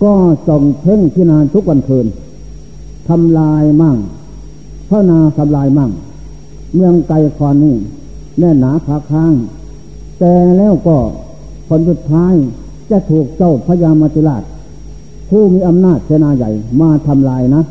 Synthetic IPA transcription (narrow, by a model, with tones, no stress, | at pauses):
kɔː˧˩sɔ˧˩ŋt̪ʰe˧˥˨ŋt̪ʰiː˧˩˨naː˧t̪ʰu˦˥k̚wa˧nkʰɤː˧n | t̪ʰa˧mlaː˧jma˧˩ŋ | t̪ʰa˧˩naː˧sa˨˧˦mlaː˧jma˧˩ŋ | mɯ˧əŋka˧jkʰɔː˧nːiː˧˩ | lɛ˧˩nːaː˨˦kʰaː˨˦kʰaː˧˥˨ŋ | t̪ɛː˧˩lɛː˧˩˨wkɔː˧˩ | pʰo˨˧˦nsu˧˩t̪ʰːaː˦˧˥j | t͡ɕa˧˦t̪ʰuː˨˩k̚t͡ɕɔ˧˩˨wpʰa˧˥jaː˧mːa˧t̪i˧laː˧˩t̪̚ | pʰuː˧˩˨miː˧ʔa˧mnaː˧˩t̪̚kʰi˧naː˧ja̰˨˩jmaː˧t̪ʰa˧mlaː˧jna˧˦˥